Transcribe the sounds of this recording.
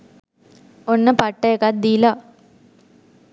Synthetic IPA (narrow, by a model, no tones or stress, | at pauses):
onːɐpɐʈːekad̪iːla